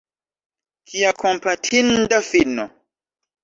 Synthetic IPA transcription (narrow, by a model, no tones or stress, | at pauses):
kʰiakʰɔmpatʰindafinɔ